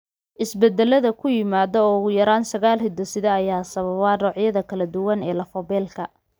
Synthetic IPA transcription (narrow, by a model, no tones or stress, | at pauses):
ʔɪsbɛd̪ɛlɐðɐkʰʊjɪmaːðɔːʊɣʊjɐɾaːnsɐɣaːlhɪd̪ɔsɪðɛːjaːsɐβɐβarɔːʕjɐðɐkʰɐlɐd̪ʊwɐnɛːlɐfɔbɛːlkʰɐ